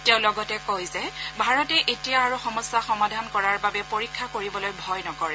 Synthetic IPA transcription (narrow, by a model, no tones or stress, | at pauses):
tɛʊ̃lɔɡɔtɛkojzɛbʱaɹɔtɛʔetijaːɹuxɔmɔsːaxɔmadʱankɔɹaɹbabɛpoɹikʰːakoɹibɔlojbʱɔjnɔkɔɹɛ